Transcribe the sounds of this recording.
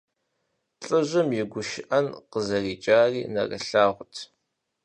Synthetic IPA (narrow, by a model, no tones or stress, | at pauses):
ɬʼɨʒʷʊmjɪɡʷʊʃɪʔɐnqəzɐriːt͡ʃʼaːriːnɐ̰rɐ̰ɬaːʁʷʊtʰ